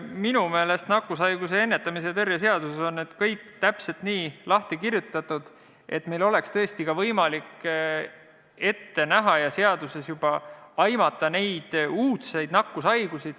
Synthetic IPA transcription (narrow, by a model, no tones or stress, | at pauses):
minume̞ːle̞st̪nɑkːˑusɑjɡ̥use̞e̞nːe̞t̪ːˑɑmis̬ejt̪e̞rjes̬e̞ɑd̪̥useso̞nːed̪̥kɤjkːt̪æpse̞lt̪niːlɑht̪ikirjut̪ːˑɑt̪ːˑud̪̥ | e̞t̪ːme̞jlo̞le̞kst̪ɤ̞est̪ikɑvɤjmɑlikː | e̞t̪ːe̞næɦɑjɑseɑd̪̥use̞sjub̥ɑɑjmɑt̪ːˑɑne̞jd̪̥uːt̪se̞jd̪nɑkːusɑjɡ̥usid̪̥